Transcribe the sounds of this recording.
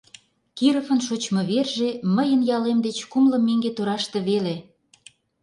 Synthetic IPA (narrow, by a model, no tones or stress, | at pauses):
kiɾəfə̆nʃot͡ɕmɤ̆βerʒeməjənjɑlemd̪et͡ɕkumlə̆mːeŋɡet̪oɾɑʃt̪ĕβele